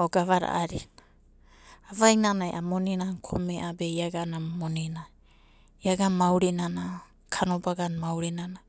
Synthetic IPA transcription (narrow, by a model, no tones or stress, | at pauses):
oɡavaɾa̰ʔaɾi | avainanajʔamonenaŋkʰo̰meʔabejaɡanamonena | iaɡamawɾinana | kʰanobaɡanmawɾinana